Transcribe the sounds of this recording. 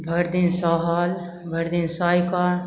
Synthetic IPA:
bʱəɾd̪insɔɦaːl | bʱəɾd̪insaːjka

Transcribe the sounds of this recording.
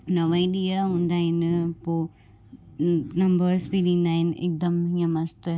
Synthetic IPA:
nɐʋaiɗijaɦũːnd̪aːɦɪnpoː | nɐmbəɾsbiɗĩːnd̪aːɦɪnʔḛk̚d̪ɐmɦiãmɐst̪

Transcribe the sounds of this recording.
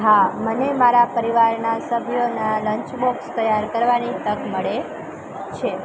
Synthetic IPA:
ɦamənemaɾapəɾiʋaɾnasəbʱjonaləɲt͡ʃbokst̪əjaɾkəɾʋanit̪əkməɭe | t͡ʃʰe

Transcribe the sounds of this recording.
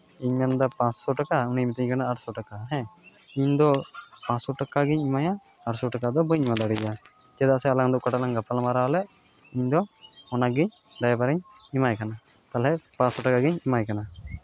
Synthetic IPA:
iɲmɛnd̪apãsɔʈakaunimit̪iɲkanaːʈsɔʈakaɦɛ̃iɲd̪ɔpãsɔʈakaɡiɲimajaː | ʈsɔʈakad̪ɔbɔɲmad̪aɽid͡ʒa | d͡ʒɛd̪asɛalaŋd̪ɔʔkaʈalaŋɡapʰalamaɾalɛ | iɲd̪ɔɔnaɡiɲ | ɖajabaɾɛɲimajkana | t̪alɛpãsɔʈakaɡiɲimajkana

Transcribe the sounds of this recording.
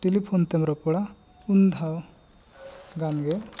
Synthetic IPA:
ʈ̪elipʰont̪emɾɔpuɽa | und̪ʱaw | ɡanɡe

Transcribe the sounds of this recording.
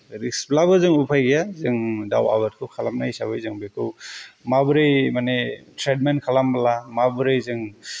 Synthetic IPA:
ɾisblabɯzɯŋupʰajɡijazɯŋdawa̰batkʰɯwkʰalamnajsaβɯjzɯŋbekʰɯwmabɯɾejmanetʰɾed̚menkʰalambalamabɯɾɯjzɯŋ

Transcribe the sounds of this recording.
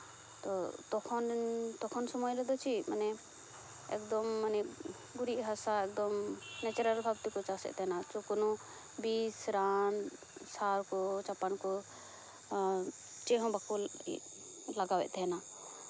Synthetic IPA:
t̪ɔt̪ɔkʰɔnt̪ɔkʰɔnsɔmɔjlɛd̪ɔt͡ʃʰimanɛ | ɛkd̪ɔmːanɛ | ɡuɾiʔɦasaɛk̚d̪ɔmnɛt͡ʃuɾalbʱabt̪ikɔt͡ʃasɛ̰ʔt̪ɛɦɛnat͡ʃɔkɔnɔ | bisɾan | saɾkɔt͡ʃapankɔ | t͡ʃɛɦɔ̃bakɔ̰ | laɡawɛ̰ʔt̪ɛɦɛna

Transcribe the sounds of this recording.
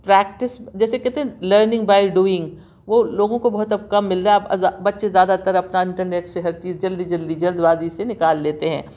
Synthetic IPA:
pɾɛːk̚ʈɪsd͡ʒɛːsekɛɦt̪eɦɛ̃ləɾnɪ̃ŋɡbaːɪɖuːɪ̃ŋɡ | ʋoloːɡõkobɐɦʊt̪ɐb̚kɐmːɪlːaapabɐt̪ːʃezjaːd̪at̪əɾɐpnaɪ̃ɳʈəɾneːʈseɦɐɾt͡ʃiːzd͡ʒɐld̪id͡ʒɐld̪id͡ʒɐld̪baːzisenɪkaːlːeːt̪eɦɛ̰̃ː

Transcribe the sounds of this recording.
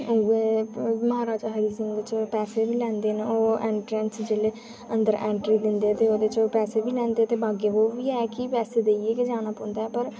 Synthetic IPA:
ʊeːməɦaːɾaːd͡ʒaɦəɾiːsɪ̃ŋɡd̪et͡ʃpɛːseːʋiːlɛ̃ːnd̪eːneoːeːɳʈɾɛ̃ːnsd͡ʒeːleː | ənd̪əɾʔɛ̃ːɳʈɾiːd̪ɪnd̪eːɛːt̪eːoːd̪eːt͡ʃpɛːseːbiːlɛ̃ːnd̪eːt̪eːbaːɡeːʋoːʋiːɛːkɪpɛːseːd̪eːieːkɪd͡ʒaːñaːpɔ̃ːnd̪aːɛːpəɾ

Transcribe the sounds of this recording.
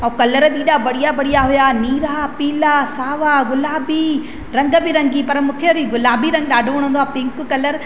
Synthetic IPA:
ɐukɐləɾɗiːɗabɐɽijabɐɽijaɦʊjaːniːɾaːpiːlaːsaːʋaːɡʊlaːbi | ɾɐ̃ŋɡə̆bɪɾɐ̃ŋɡipɐɾmʊ̃ːkʰeɾiɡʊlaːbʱiɾɐ̃ŋɡ̚ɗaːɖʱʊʋɐːɽ̃ɦũnd̪aːpɪ̃ŋkkɐləɾ

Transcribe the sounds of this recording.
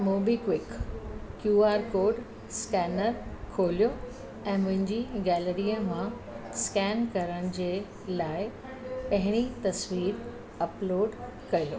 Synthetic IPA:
moːbikʋɪkkjuːaːɾkoːɾɖ | skɛːnəɾkʰoːlijo | ɛ̃ːmʊ̃ɦɪ̃ɲd͡ʑiɡɛːləɾiːəmã | skɛːnkɐɾəɽ̃ɪ̆d͡ʑeː | laːɪ | pɐɦɪɽ̃it̪ɐsʋiːɾ | ɐploːɖ | kɐiloː

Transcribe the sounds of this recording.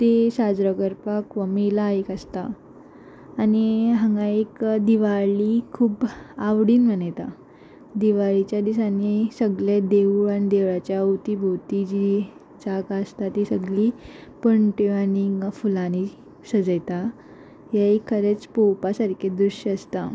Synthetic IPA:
t̪esad͡zɾəkəɾpakʋəmilaekəst̪aː | niɦãŋɡãekd̪iʋalikʰuːbaʋɽiːnm̤ənajt̪a | d̪iʋaɭit͡ɕjad̪isanisəɡled̪eʋuɭanid̪eʋɭat͡ɕjaut̪ibʱot̪id͡ʑii | t͡sakast̪at̪isəɡlipəɳʈeaniŋfulani | səd͡zəjt̪a | ɦjaikʰːəɾet͡spowpasaɾkʰed̪ɾuɕəst̪a

